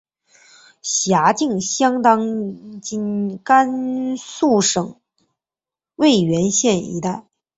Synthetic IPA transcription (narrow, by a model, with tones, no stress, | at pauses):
ɕja˧˥t͡ɕi˥˩ŋɕjɑ˥ŋt̪ɑ˥ŋt͡ɕi˥˩nka˥nsu˥˩ʂɤ˨˩˦ŋ | we˥˩ɪɥɛ˧˥nɕjɛ˥˩nḭ˧˥t̪a˥˩ɪ